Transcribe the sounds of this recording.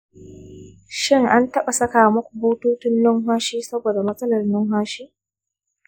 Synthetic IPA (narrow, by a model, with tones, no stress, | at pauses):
ʃɪ˦ŋʔa˦ntɐ˦ɓa˨sɐ˦kaː˨mɐ˦kʷu˨buː˦tuː˦tʊ˦nlʊ˦ŋɦwaː˦ʃiː˦sɐ˦boː˨da˨mɐ˦sʼɐ˦lɐ˨rnʊ˦ŋɦwaː˦ʃiː˦